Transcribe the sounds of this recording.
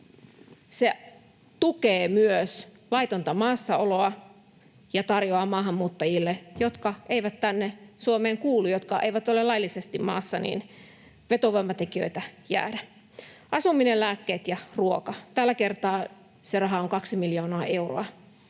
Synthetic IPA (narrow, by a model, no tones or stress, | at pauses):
se | t̪ukeːmyøs | lɑit̪ont̪ɑmɑːsːɑoloɑ | jɑt̪ɑrjoɑːmɑːɦɑmːuːt̪ːɑjilːejot̪kɑʔeiʋæt̪t̪ænːesuomeːŋkuːlːujot̪kɑeiʋæt̪olelɑjlːisest̪immɑ̰ːsːɑnḭːn | ʋet̪oʋoimːɑt̪ekiø̰it̪æjæ̰ːdæ | ʔɑsumːinellæːkːeːt̪jɑruokɑt̪ælːækert̪ɑː | serɑɦɑoŋkɑksimiljoːnɑɑːʔe̞uro̰ɑ